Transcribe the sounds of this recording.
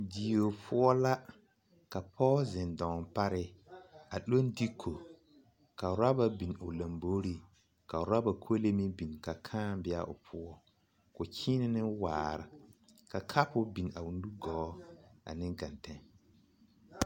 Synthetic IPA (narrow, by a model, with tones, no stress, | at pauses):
di˨o˨pʰʊ˦ɔ˦la˦ | ka˨pʰɔː˦zɪ˨ndɔ̃˨mpa˦ɾɪ˦a˨lo˦n˦di˦kʰo˨ | ka˨ʊ˨ɾa˦ba˨bi˨n˨ʊ˨la˨mboː˦ɾi˦ | ka˨ʊ˨ɾa˦ba˨kʰo˦le˦mi˦bi˨n˨ka˨kʰãː˦bɪ˦a̰˦ʔʊ̰˨pʰʊ˦ɔ˦ | kʊ˨kʰiː˦nɪ˦nɪ˦waː˨ɾɪ˨ | ka˨kʰa˦pʊ˦bi˨na˨u˨n˦u˦ɡɔː˨˦a̰˨nɪ̃˦ŋɡa˨ntɛ˦